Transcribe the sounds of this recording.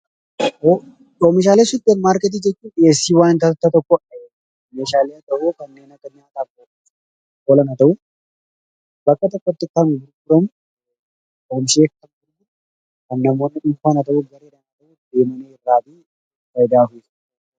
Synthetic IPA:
o | omɪʃ̬aːlesʊt̪ːenmaːɾkɛt̪̬iːd͡ʒɛt͡ʃːuːᶑɪjeːsːiːwaːnnt̪ɐt̪ɐt̪ːɐt̪ɔkːɔe | meːʃaːleːɐt̪ɐʔukɐnːeːnɐkːɐɲaːt̪aːkʼːo | kɔlɐnɐt̪ɐʔʊ | bɐkːɐt̪ɔkːɔt̪ːɪkːambɪɾɡʊɾɐmʊ | oːmɪʃeːkkɐnkʊnːɪ | kɐnːɐmoːnːɪᶑʊnfaːnɐt̪ɐʔuɡɐɾeːlɐnɐt̪ɐʔud̪e̞ːmɐneːɪrːaːbi | fɐjd̪aːfes

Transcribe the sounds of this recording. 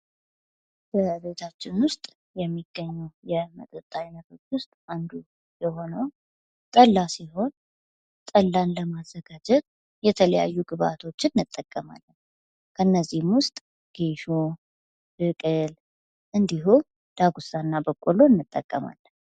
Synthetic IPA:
b̥əbe̞t̪ʰat͡ʃːɪnwʊst̪ʼ | jɛmːiɡ̥əɲːuwjɛmə̰t̪ʼət̪ʼːaɲːat̪ʰo̞t͡ʃːwʊst̪ʼand̪u | jɛho̞nəw | t̪ʼəlːasiɦo̞n | t̪ʼəlːanləmazːəɡad͡ʒɛt̪̚ | jɛt̪ʰələja̰jːuɡɨβa̰t̪ʰo̞t͡ʃːɪnːɨt̪ʼːəkʼːəma̰lːə | kʰənːəzːihmwʊst̪ʼ | ɡ̥eʃo | b̥ɨkʼɨl | ʔɨnd̪iɦu | d̪̥aɡusanːabəkʼolo̞ɨnːɨt̪ʼːəkʼːəma̰lːə

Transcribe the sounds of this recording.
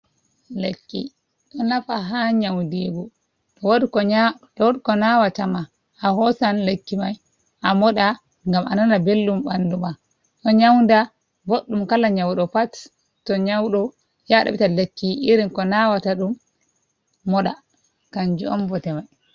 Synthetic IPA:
lekːḭ | ɗɔnafaɦaɲawdiːɡɔ | w | ɗkɔnawatama | ʔːhɔsanlekːimaj | ʔamɔɗa | ŋɡama̰nanabelːumɓanduma | ɗɔɲawnda | boɗːumkalaɲawɗɔpat | tːɔɲawɗɔ | jaɗa̰ɓitalekːiʔiɾinkɔnawataɗumː | ɔɗa | kand͡ʒuɔmbɔtɛmaj

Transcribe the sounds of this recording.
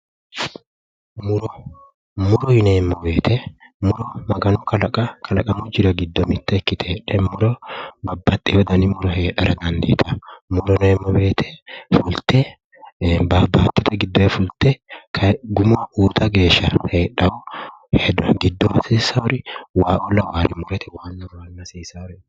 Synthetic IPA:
mʊɾɔ | mʊɾɔjɪneːmːɔbe̞ːt̪ʰɛ | mʊɾɔmɐɡɐnʊkɐlɐkʼɐkʰɐlɐkʼɐmʊd͡ʒɪɾɐɡɪd̪ːɔmɪt̪ːɛːkːɪt̪ʰeːᶑɛmʊɾɔbɐbːɐt̪ʼːɛwɔd̪ɐnɪmʊɾɔheːᶑɐ̰ɾɐd̪ɐnd̪ḛːt̪ʰɐmʊɾɔneːmːɔbe̞ːt̪ʰɛ̥fʊlt̪ɛ | babaːt̪ːɪt̪ʰɐɡɪd̪ːɔɛfʊlt̪ɛkʰɐɡʊmouːt̪ʰɐɡe̞ːʃːɐheːᶑɐʊhɛd̪ɡɪd̪ːɔmɐsiːsɐɔɾɪwaːʔɔlɐwaːɾɪmʊɾɛt̪ɛwaːnːɐwaːnːɐsiːsɐɔɾɛ

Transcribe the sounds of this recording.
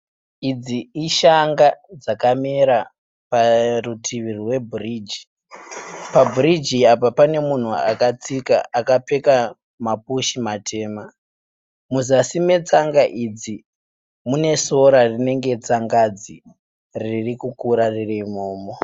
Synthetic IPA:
id͡ziiʃaŋɡad͡zakameɾa | parutʰiʋirirwe̞bʱurid͡ʒi̥ | pabʱurid͡ʒiapapane̞mun̤ua̰kat͡sika̰ʔakape̞ka | mapuʃimatʰe̞ːma | muzasime̞t͡saŋɡaʔid͡zi | mune̞so̞ɾarine̞ŋɡe̞t͡saŋɡad͡zi | ririkukuɾaririmoːmo

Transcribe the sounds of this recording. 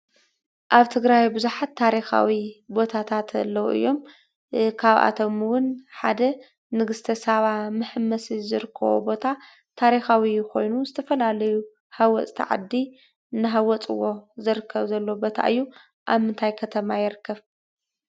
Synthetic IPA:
ʔaβt̪ʰɨɡɾajbɨzuħat̪ʰːaɾixa̰wibo̞t̪ʰat̪ʰat̪ɐ̰lːɐwʔɨ̰jːo̞m | kʰaβʔa̰t̪ʰo̞mwʊnħad̪ɐ | nɨɡɨst̪ʰɐsaβamɨħɨmːɐsizɨɾɨkʰːɐ̰βo̰bo̞t̪ʰa | t̪ʰaɾixawiko̞̰jnuzɨt̪ʰɐfɐlalɐju | hawɔt͡sʼt̪ʰḭʕa̰d̪ːi | nːɨɦawɔt͡sʼɨwo̞zɨɾɨkʰːɐβzɐlːobo̞t̪ʰa̰ʔɨjːu | ʔa̰βmɨnt̪ʰajkʰɐt̪ʰɐmajɪɾɨkʰːɐβ

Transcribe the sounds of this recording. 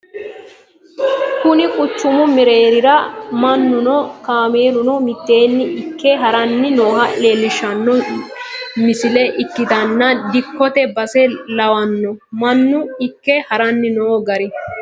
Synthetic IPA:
kʊnɪkʼʊt͡ʃːʊmʊmɪɾe̞ːɾɪɾɐmɐnːʊnɔkaːmeːlʊnɔmɪt̪ːe̞ːnːɪɪkːɛɦɐɾɐnːɪno̞ːhɐeːlːɪʃɐnːɔ | mɪsɪlɛʔɪkːɪt̪ɐnːɐd̪ɪkːɔt̪ɛbɐsɛlɐwɐnːɔmɐnːʊɪkːɛhɐɾɐnːɪnoːɡɐɾɪ

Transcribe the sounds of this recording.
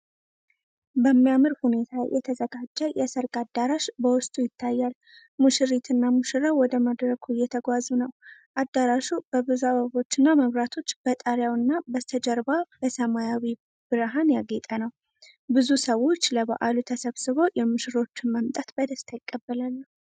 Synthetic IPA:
bəmːijamɨɾhune̞t̪ʰajʔɛ̰t̪ʰəzəɡad͡ʒːəjʔɛsəɾkʼad̪ːaɾaʃbəwʊst̪ʼujɪt̪ʰːajːal | mɨʃɨɾit̪ʰɨnːamɨʃɨɾawɔd̪əməd̪ɾəkʰujɛt̪ʰəɡʷazunəwʔad̪ːaɾaʃub̥əbɨzuaβaβo̞t͡ʃːɨnːaməβɾat̪ʰo̞t͡ʃːb̥ət̪ʼəɾjawɨnːabət̪ʰəd͡ʒəɾbabəsəmajawi | b̥ɨɾɦanjaɡet̪ʼənəw | bɨzusəwo̞t͡ʃːləβa̰ʔalut̪ʰəsəβsɨβo̞jɛmɨʃɨɾo̞t͡ʃːɪnməmt̪ʼat̪bəd̪əst̪ʰajɪkʼːəbːəlalːə

